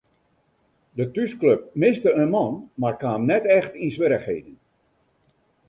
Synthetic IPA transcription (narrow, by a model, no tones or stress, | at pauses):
dətyskløp̚mɪstəənmɑnmarkaːəmnɛtɛxtinsʋɪɾəxhɦejdən